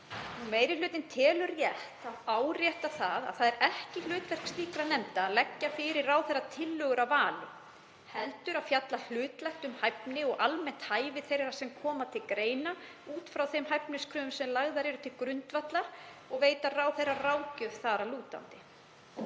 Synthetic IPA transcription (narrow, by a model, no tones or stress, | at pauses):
numeːjɾɪlʏːt̪ɪnt̪ʰɛːlʏrjɛht̪aðaːwɾjɛht̪aθaða̰ðθaðɛɾɛhcɪl̥ʏːt̪lɛhkst̪iːkɾanɛmt̪aːlɛcːafɪɾɪɾaːwθɛjrːat̪ʰɪlːœːɣʏɾawvaːlʏ | hɛlt̪ʏɾafjat̪lal̥ʏːt̪lɛxt̪ʏmhajpnɪɔɣʔalmɛn̥t̪haːjvɪθejrasɛmkʰɔːmat̪ʰɪlkɾeːjna | uːt̪fɾawθejmɦajpnɪskʰɾœːʏmsɛmlaɣðaɾɛɾʏt̪ʰɪlkɾʏnt̪vat̪laɔɣveːjt̪araːwθejraraːwcœðθaːɾaluːt̪a̰nt̪ɪ